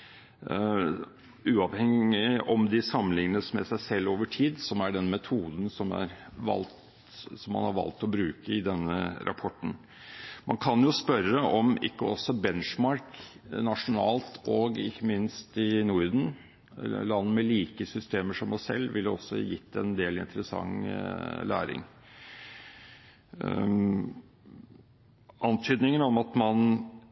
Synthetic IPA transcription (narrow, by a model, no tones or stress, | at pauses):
ʉːɑʋhɛŋɪɔmd̪ɪsɑmənɪŋənəsmɛ̰sæɪsɛlːoːʋəʈʰiːd̪sɔmæɖɛnmɛt̪ʰuːd̪n̩sɔmæ̰ɾʋɑ̰lt̪ | sɔmːɑ̰nhɑɾʋɑ̰lt̪ɔbɾʉːkəɪd̪ɛnːə̰ɾʔɑ̰pʰɔʈːn̩ | mɑnkʰɑnjʊspœɾəʔɔmɪ̰kːəɔsːɔbɛnʂmɑɾknɑʂʊnɑːlt̪ʰɔɡɪçːəmɪnst̪ɪnuːɾd̪n̩ | lɑnːəmɛliːkəsʏst̪eːməʂɔmɔsɛ̰lːʋɪlːɔsːɔ̰jɪt̪ːɛnd̪eːlɪnt̪əɾəsɑ̰ŋː | læ̰ːɾɪ̰ŋ | ʔɑnt̪ʰyːd̪nɪŋənɔmɑt̪mɑn